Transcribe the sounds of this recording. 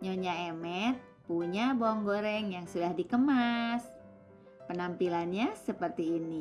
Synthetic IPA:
ɲoɲaemɛt̪̚ | puɲaboŋɡoɾɛŋjaŋsudahdikəmas | pənampilanɲasəpərt̪iːni

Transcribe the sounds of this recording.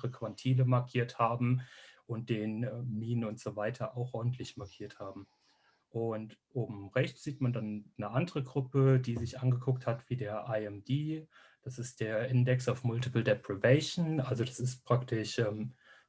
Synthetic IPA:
ʁəkv̥antʰiːləmaɐkʰiːɐthaːbm̩ʔʊnt̚d̥eːnɛmiːnənʊntz̥oːvaɪtʰɐʔaʊxʔɔɐdn̩tʰlɪçmaɐkʰiːɐthaːbm̩ | ʔʊntʔoːbm̩ʁɛçt͡sz̥iːtmandanːəʔandəʁəɡʁʊpədiːzɪçʔanɡəkʰʊk̚thatv̥iːdeːɐʔaɪɛmdiː | d̥asɪstd̥eːɐʔɪndɛksaʊfmʊltɪpl̩dɛpʁ̥ivɛɪʃnʔalzodasɪstpʁ̥aktɪʃʔɛːm

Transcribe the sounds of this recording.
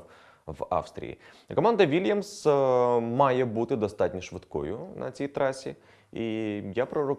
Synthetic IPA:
ʋɑ̰fst̪ɾʲḭjḭkɔmɑnd̪ɐʋʲilʲjɐms | mɑjɛbut̪ɪd̪ɔst̪ɑtʲnʲɐʃʋɪt̪kɔ̰jʊnɐ̰t͡sʲijt̪ɾɑsʲi | ijapɾɔɾɔ

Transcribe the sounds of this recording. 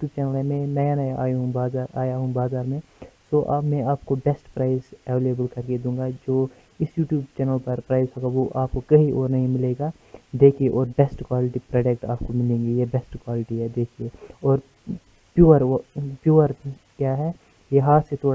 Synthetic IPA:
ʈjuːb̚t͡ʃɛːnəlɦɛmɛ̃nɐjanɐjaa̰ːjɦũbaːzaːɾaːjaɦũbaːzaːɾmẽ | soʔaːmɛ̃aːp̚kobɛsʈpɾaːɪzɛʋeːleːbəlkɐɾked̪ũːŋɡad͡ʒoː | ɪsjuːʈjuːbt͡ʃɛːnəlpɐɾpɾaːɪzɦoːɡaʋoʔaːpkokɐɦiʔoːɾnɐɦĩmɪleːɡa | d̪eːkʰieʔɔːɾbɛsʈkwaːlɪʈipɾaːɖek̚ʈa̰ːpkomɪlẽːŋɡejebɛːsʈkwaːlɪʈiɦɛd̪eːkʰieɔːɾ | pjuːəɾpjuːəɾ | kjaːɦɛ | jeɦaːt̪set̪ʰoːɽ

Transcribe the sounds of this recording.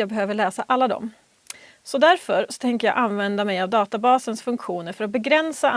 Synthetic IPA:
jɑːɡbɛɦøːvəɭɛːsaʔalːad̪ɔ̰m | sɔd̪æɾfœɾsɔ̥t̪ʰɛŋkəjɑ̰ːʔanvɛnd̪amɛjavd̪ɑːt̪abɑːsənsfɵŋkɧuːnəɾfœɾat̪̚bɛɡɾɛnsa

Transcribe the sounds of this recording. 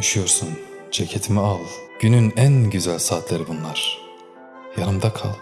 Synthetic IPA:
oʃujo̞ɾsund͡ʒecʰet̪ʰimialˠɟ̥ynynænɟyzælʲsaːt̪ʰlʲeɾibunlˠaɾ̥ | jaɾɯmd̪akʰa̰lˠ

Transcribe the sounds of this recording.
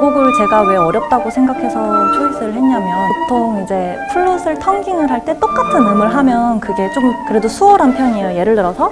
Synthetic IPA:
ɡoɡɯɭt͡ɕe̞ɡawe̞ʌɾjʌp̚t͈aɡosʰe̞ŋɡakʰe̞sʰʌpʰuɭːosʰɯɾɯɭhenɲamjʌnpotʰoŋid͡ʑe̞ | pʰuɭːosʰɯɭtʰʌŋɡiŋɯɾɦaɭt͈e̞t͈ok͈atʰɯnɯmɯɭɦamjʌnkɯɡe̞t͡ɕ͈omkɯɾe̞dosʰuʌɾanpʰjʌɲejoje̞ɾɯɭdɯɾʌsʰʌ

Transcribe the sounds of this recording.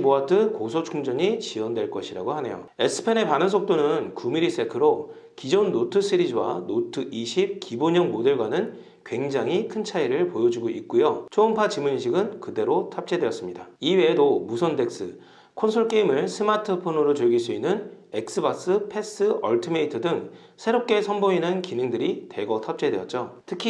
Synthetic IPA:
moatʰɯkosʰot͡ɕʰuŋd͡ʑʌɲit͡ɕiwʌndwe̞ɭk͈ʌɕʰiɾa̰ɡohane̞̰jo̰e̞sʰɯ̥pʰe̞ne̞panɯnsʰok̚t͈onɯnkumiɾis͈ʰe̞kʰɯɾo | kid͡ʑonːotʰɯsʰɯɾid͡ʑɯwa̰notʰɯʔiɕʰip̚kiboɲʌŋmodɯɭɡwanɯn | kwe̞ŋd͡ʑaŋɦikʰɯnt͡ɕʰaiɾɯɭpojʌd͡ʑuɡoik̚k͈ujot͡ɕʰoɯmpʰat͡ɕimuɲiɕʰiɡɯnkɯde̞ɾotʰap̚t͡ɕ͈ʰe̞dwe̞jʌs͈ɯmɲidaiwe̞ːdomusʰʌnde̞k̚s͈ɯ̰ | kʰonsʰoɭk͈eimɯɭsʰɯmatʰɯpʰonoɾot͡ɕɯɭɡiɭs͈uinːɯn | e̞k̚s͈ɯbas͈ɯpʰe̞s͈ɯʌ̰ɭtʰimeitʰɯdɯŋ | sʰe̞ɾop̚k͈e̞sʰʌnboinɯnkinɯŋdɯɾite̞ɡʌtʰap̚t͡ɕ͈ʰe̞dwe̞jʌt̚t͡ɕ͈otʰɯkʰi

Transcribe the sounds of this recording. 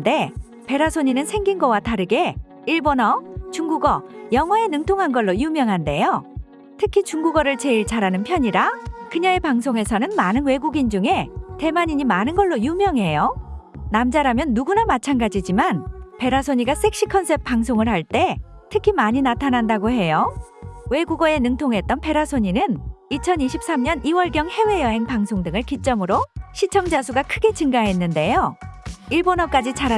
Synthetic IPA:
de̞ | pe̞ɾasʰoɲinɯnsʰeŋɡinɡʌwataɾɯɡe̞ | iɭbonʌt͡ɕuŋɡuɡʌjʌŋwaenɯŋtʰoŋɦanɡʌɭːojumjʌŋɦande̞jo | tʰɯkʰit͡ɕuŋɡuɡʌɾɯɭt͡ɕe̞iɭt͡ɕʰaɾanɯnpʰjʌɲiɾakɯɲaepaŋsʰoŋe̞sʰʌnɯnmanɯnwe̞ɡuɡind͡ʑuŋe̞te̞maɲiɲimanɯnɡʌɭːojumjʌŋɦe̞jonamd͡ʑaɾamjʌnːuɡunamat͡ɕʰanɡad͡ʑid͡ʑimanpe̞ɾasʰoɲiɡas͈ʰe̞k̚ɕ͈ikʰʌnsʰe̞p̚p͈aŋsʰoŋɯɭhaɭt͈e̞tʰɯkʰimaɲinatʰanandaɡoɦe̞jo | we̞ɡuɡʌe̞nɯŋtʰoŋɦe̞t̚t͈ʌnpʰe̞ɾasʰoɲinɯnit͡ɕʰʌniɕʰip̚s͈amɲʌniwʌɭɡjʌŋhe̞we̞jʌɦe̞ŋpaŋsʰoŋdɯŋɯɭkit͡ɕ͈ʌmɯɾoɕʰit͡ɕʰʌŋd͡ʑasʰuɡakʰɯɡe̞t͡ɕɯŋɡaɦe̞nːɯnde̞joiɭbonʌk͈ad͡ʑit͡ɕaɾa

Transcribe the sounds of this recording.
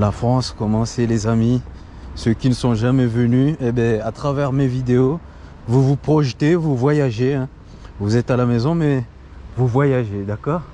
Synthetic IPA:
lafχɑ̃skɔmɑ̃selezami | søkʲinəsɔ̃ʒamɛvənyebɛ̃at̪χavɛʁmevid̪eo | vuvupχɔʃt̪evuvwajaʒeɛ̃ | vuzɛt̪alamɛzɔ̃mɛ | vuvwajaʒed̪akɔːʁ

